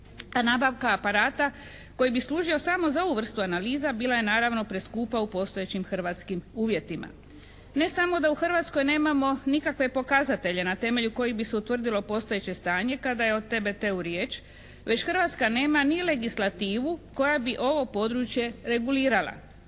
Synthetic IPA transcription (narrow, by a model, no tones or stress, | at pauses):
anaːbaʋkaːpaɾaːt̪a | ko̞jibisluːʒio̞samo̞zao̞ʋuʋr̩st̪uanaliːzabiːlaje̞naːɾaʋno̞pɾe̞skuːpaupo̞st̪o̞e̞t͡ɕimxr̩ʋat̪skimuːʋje̞t̪ima̰ | ne̞samo̞d̪auxr̩ʋat̪sko̞jne̞ːmamo̞nikakʋe̞po̞kazat̪e̞ʎe̞nat̪e̞me̞ʎuko̞jibiseut̪ʋr̩d̪ilo̞po̞st̪o̞je̞t͡ɕe̞st̪aːɲe̞kad̪ajeo̞d̪̚t̪ːebe̞t̪euɾje̞ːt͡ʃ | ʋe̞t͡ɕxr̩ʋat̪skane̞ːmanile̞ɡislat̪iːʋuko̞jabiʔo̞ʋo̞po̞d̪ɾut͡ʃje̞ɾe̞ɡuliːɾalˠa̰